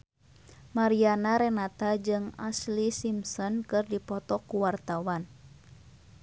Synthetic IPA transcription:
maɾianaɾɛnat̪ad͡ʒɨŋaslisimsɔnkɨrdipɔt̪ɔkuwart̪awan

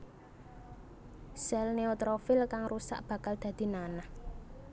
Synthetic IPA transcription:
sɛlneot̪ɾofɪlkaŋrusa̰ʔb̥ä̤kald̪̥ä̤d̪̥i̤nanah

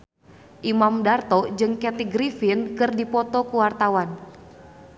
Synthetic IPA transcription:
ʔimamdart̪ɔd͡ʒɨŋkɛt̪iɡɾifinkɨrdipɔt̪ɔkuwart̪awan

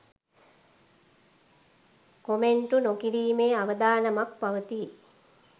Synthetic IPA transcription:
komeɳʈunokiɾiːmeːaʋəd̪aːnəmak̚paʋət̪i

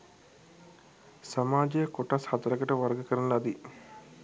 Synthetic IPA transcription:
samaːd͡ʒejəkoʈashat̪ɐɾəkəʈəʋaɾɡəkəɾɐnəlad̪i

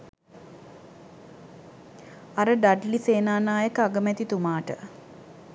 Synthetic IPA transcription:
aɾəɖaɖliseːnaːnaːjəkəaɡəmɛt̪it̪umaːʈə

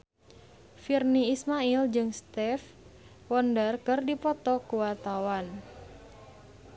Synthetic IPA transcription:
firniːsmaild͡ʒɨŋst̪ɛf | wɔndərkɨrdipɔt̪ɔkuwat̪awan

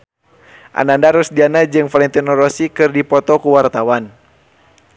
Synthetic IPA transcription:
ʔa̰nandaɾusdianad͡ʒɨŋfalɛnt̪inɔɾɔsikɨrdipɔt̪ɔkuwart̪awan

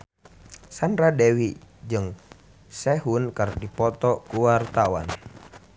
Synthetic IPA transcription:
sanɾadɛwid͡ʒɨŋ | sɛɦunkərdipɔt̪ɔkuwart̪awa̰n

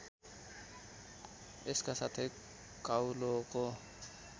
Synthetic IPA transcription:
eskasat̪ʰe | kʼaulokʼo

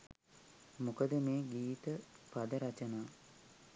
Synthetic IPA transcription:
mukəd̪əmeːɡiːt̪əpad̪əɾat͡ʃənaː

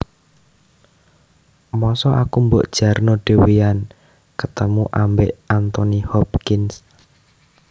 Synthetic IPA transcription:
mɔsɔʔakumboʔd̥ʒ̥a̤rnoɖ̥e̤wian | kət̪əmuʔambeʔant̪ɔnihɔp̚kɪns

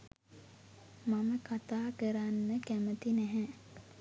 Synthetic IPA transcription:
maməkat̪aːkəɾanːəkæmət̪inæɦɛ

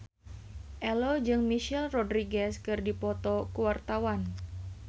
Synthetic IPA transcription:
ʔɛlod͡ʒɨŋmiʃɛlrɔdɾiɡɛskɨrdipɔt̪ɔkuwart̪awan

